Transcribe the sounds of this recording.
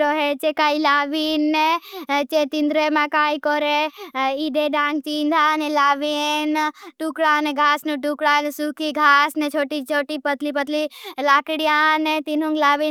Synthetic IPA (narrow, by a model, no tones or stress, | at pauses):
ɾoɦet͡ʃekaːilaːʋinːet͡ʃet̪ind̪ɾemãkaːikɔɾeid̪eɖãːŋɡ̚t͡ʃĩːnd̪ʱanelaːʋinʈukɽaːneɡʱaːsnuʈukɽaːnesukʰiɡʱaːsnet͡ʃʰoːʈit͡ʃʰoːʈipət̪lipət̪lilaːkɽijaːnet̪inũŋɡlaːʋi